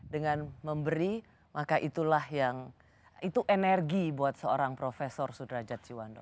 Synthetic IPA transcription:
dəŋanməmbəɾi | makaʔit̪ulahjaŋ | it̪uʔenɛrɡibuat̪̚səoɾaŋpɾofesɔrsudahd͡ʒat̪̚t͡ʃiwandɔ̰

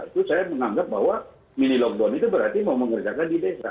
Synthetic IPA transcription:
it̪usajaməŋaŋɡap̚baɦwa | minilɔk̚dɔnit̪ubəɾart̪imauməŋərd͡ʒakandidesa̰

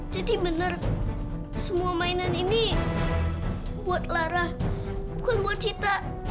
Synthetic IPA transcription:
d͡ʒadibənər | səmuamainanini | buat̪̚laɾah | bukɪnbuat̪̚t͡ʃit̪a

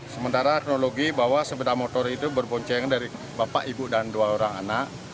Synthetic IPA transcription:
səmənt̪aɾaɛk̚noloɡibaɦwasəbədamɔt̪ɔrit̪ubərbɔɲt͡ʃɛŋandaɾi | bapa̰ʔibudanduaoɾaŋa̰naʔ

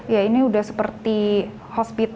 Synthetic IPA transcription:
jainiudahsə̥pərt̪i | hospit̪

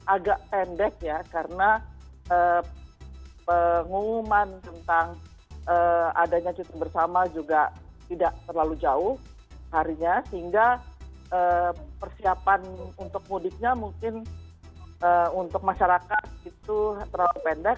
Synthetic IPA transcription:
ʔaɡaʔpɛndɛk̚jakaɾənaəː | pəŋumant̪ənt̪aŋ | əa̰daɲat͡ʃut̪əbərsamad͡ʒuɡat̪idaʔt̪ərlalud͡ʒaʊh | haɾiɲasəɦiŋɡa | əpərsiapanunt̪ʊk̚mudɪk̪̚ɲamuŋkɪn | ʔəunt̪ʊk̚maʃaɾakat̪̚ɡit̪ut̪əɾawapɛndɛk̚

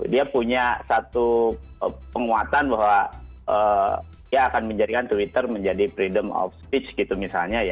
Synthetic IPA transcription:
diapuɲasat̪uəpəŋuat̪anbaɦwaʔə | diaːkanməɲd͡ʒadikant̪uit̪ərməɲd͡ʒadipɾidəmɔ̰fspit͡ʃɡit̪umisalɲaja

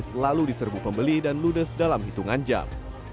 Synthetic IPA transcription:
slaludisərbupəmbəlidanludəsdalamɦit̪uŋand͡ʒa̰m

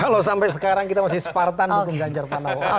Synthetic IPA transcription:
kalosampɛsəkaɾaŋkit̪amasɪhsə̥part̪anukʊmɡaɲt͡ʃarpanao

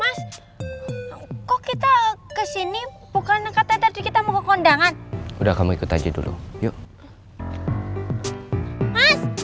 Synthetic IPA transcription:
mas | kɔkit̪akəsini | bukankat̪at̪ard͡ʒikit̪amukəkɔndaŋanudahkamuikut̪ad͡ʒadṵlʔṵjo | mas

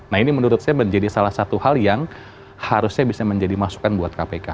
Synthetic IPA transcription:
naɦinimənuɾʊt̪̚ɲaməɲd͡ʒadisalahsat̪uhaljaŋ | haɾʊsɲabisaməɲd͡ʒadimasu̥kanbuat̪̚kapeka

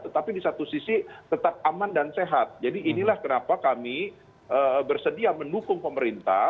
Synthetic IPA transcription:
t̪ət̪apidisat̪usisit̪ət̪ap̚amandanseɦat̪̚d͡ʒadiʔːnilahkənapakami | ʔəbərsədiaməndukʊŋpəməɾint̪a̰

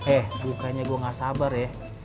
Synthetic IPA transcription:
ɛhbukaɲaɡuaŋasabarjɛ

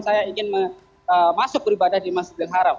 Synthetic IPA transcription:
nsajaiŋɪnmə | əmasʊk̚bəɾibadahdimasbləŋɦaɾam̚

